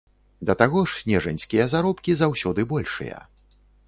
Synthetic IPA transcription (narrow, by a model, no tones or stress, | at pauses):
d̪ɐt̪aɣɔʂsʲnʲɛʐɐnʲsʲkʲijɐzaɾɔpkʲizawsʲɔd̪ɨbɔlʲʂɨ̰jɐ̰